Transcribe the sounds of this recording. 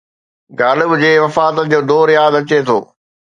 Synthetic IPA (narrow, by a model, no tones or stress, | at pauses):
ɡaːlɪbʊd͡ʑeːʋɐfaːt̪ənɪ̆d͡ʑoːd̪ɔːɾjaːd̪ɐt͡ɕet̪ʰo̰ː